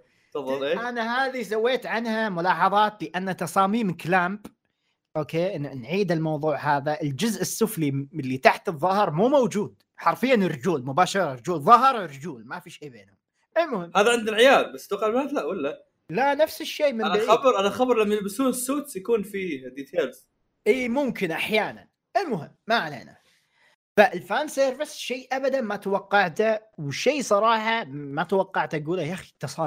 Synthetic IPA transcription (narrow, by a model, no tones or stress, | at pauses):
fɑðˤːɑlʔeːʔanaɦaːðis̬awːeːt̪ʕanhamʊlɑːħɑðˤɑːt̪lɪʔanːat̪ɑsˤɑːmiːmklaːmb | ʔoːkeːnnʕiːd̪ɪlmɑwðˤuːʕhaːðaʔɪld͡ʒʊzʔɪsːʊfliɪlːit̪aħt̪ɨðˤːɑhɨɾˤmuːmowd͡ʒuːd̪ | ħɑɾˤfɪjːanɪrːd͡ʒuːlmʊbaːʃɑɾˤɑɾˤd͡ʒuːlðˤːɑɦɨɾˤɾd͡ʒuːlmafiʃeːbeːnhʊm | ʔalmʊhɪmːhaːðaʕɪnd̪ɪlʕɪjaːd̪̚bast̪uqalmaːt̪laʔwalːa | lanafsɪʃːeːmɪanabɾʔanaxabɾˤlamːabɪsuːnsːuːt̪sjakuːnfiːd̪iːt̪ʰeːlz̥ | ʔiːmʊmkɪnʔaħjaːna̰n | ʔɪlmʊɦɪmːaʕalḛːna̰ | faʔɪlfaːnseːɾvɪsʃeːʔabad̪anmat̪wɑqːɑʕt̪awɪʃːeːsˤɑɾˤɑːħɑmat̪wɑqːɑʕt̪ʔaɡuːlajʔaxit̪ɨsˤɑː